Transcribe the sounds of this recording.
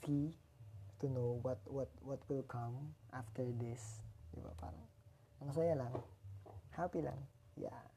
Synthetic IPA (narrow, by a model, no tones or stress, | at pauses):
si | tunowɔtwɔt̚wɔtwɪlkʰãmʔaftəɹd̪ɪsdḛba̰ʔpʰa̰ɾa̰ŋ | aŋs̬ajalaŋ | hapila̰ŋ | ja̰